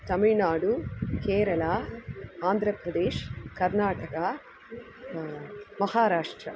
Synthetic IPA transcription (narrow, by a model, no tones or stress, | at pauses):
t̪ɐmiɻnaːɽukeːɾɐlɐ | aːnd̪ʱɾɐpɾɐd̪eːʃkɐɾnaːʈɐkɐ | mɐhaːɾaːʂʈɾɐ